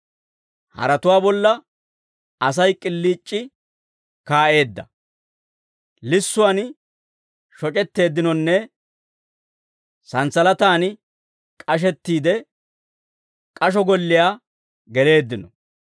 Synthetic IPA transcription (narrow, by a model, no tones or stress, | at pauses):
hɐ̰ɾɐt̪ʊwaːbɔlːɐ | ɐsɐjkʼɪlːiːt͡ʃʼːɪ | kaːʔe̞ːd̪ːɐ | lɪsːʊwan | ʃɔt͡ʃʼɛt̪ːe̞ːd̪ːɪnɔnːɛ | sɐnsɐlɐt̪aːn | kʼɐʃ̬ɛt̪ːiːd̪ɛ | kʼɐʃ̬ɔɡɔlːɪjaː | ɡɛle̞ːd̪ːɪnɔ